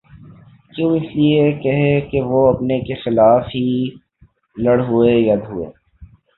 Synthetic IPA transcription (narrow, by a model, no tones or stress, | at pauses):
kjõːɪsliekɐɦekeʋoɐpnekexɪlaːfɦi | lɐɽɦuejɐd̪ʱɦuḛː